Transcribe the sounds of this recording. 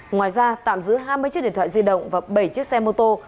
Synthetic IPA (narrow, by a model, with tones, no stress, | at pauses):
ŋwaː˨˩jzaː˧t̪a̰ː˧˨mzɨ̰˧˥ɦaː˧jmɨ˧t͡ɕi˦˥tɗḭ˧˨t̪ʰa̰ː˧˨zi˧ɗə̰˧˨wŋ͡mvaː˨˩ɓə˧˩jt͡ɕi˦˥ək̚sɛ˧mo˧t̪o˧